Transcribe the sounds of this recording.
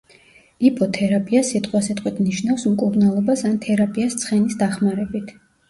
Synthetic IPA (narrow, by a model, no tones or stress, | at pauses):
ipʰʼɔt̪ʰɛɾapʼiasit̪ʼqʼwasɛt̪ʼqʼwit̪ʰniʃnafsmkʼuɾnalˠɔbasant̪ʰɛɾapʼiast̪sʰχɛnisd̪aχmaɾɛbit̪ʰ